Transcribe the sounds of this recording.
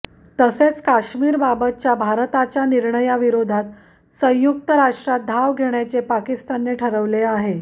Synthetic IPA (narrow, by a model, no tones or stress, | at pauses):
t̪əset͡skaɕmiːɾbabət̪̚t͡ɕjabʱaɾt̪at͡ɕjaniɾɳəjaʋiɾod̪ʱat̪ | sə̃j̃juk̚t̪əɾaʂʈɾad̪ʱaʋɡʱeɳjat͡sepakist̪anːeʈʰəɾəʋleaɦe